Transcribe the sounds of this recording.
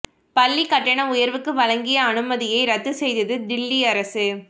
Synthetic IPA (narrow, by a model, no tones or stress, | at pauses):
pɐlːikɐʈːɐɳɐʊjɐɾʋɯkːɯʋɐɻɐŋɡɪjɐːnɯmɐðɪjɐɪɾɐt̪ːɯsɛjðɐðɯd̪ɪlːiɐɾɐsɯ